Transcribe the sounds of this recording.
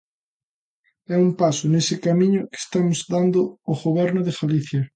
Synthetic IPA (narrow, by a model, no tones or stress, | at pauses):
ɛumpasʊnesɪkamĩɲʊke̥st̪amʊzd̪and̪ʊoɣoβ̞ɛɾnʊðeɣaliθjɐ